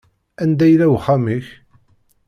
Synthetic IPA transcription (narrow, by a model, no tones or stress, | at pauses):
ænd̪æjlæwχamiç